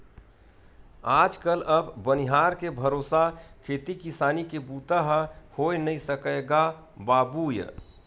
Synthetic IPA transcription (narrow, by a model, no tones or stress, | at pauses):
aːd͡ʒkələbbəniɦaɾkebʱəɾoːsakʰeːt̪ikisaːnikebuːt̪aɦhoenəisəkəɡa | baːbujə̰